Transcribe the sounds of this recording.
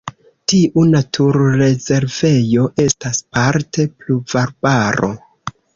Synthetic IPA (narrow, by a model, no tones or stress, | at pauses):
tiʔunatʰuɾːe̞ze̞ɾve̞jo̞ʔe̞staspaɾtʰe̞pluvaɾbaɾo̞̰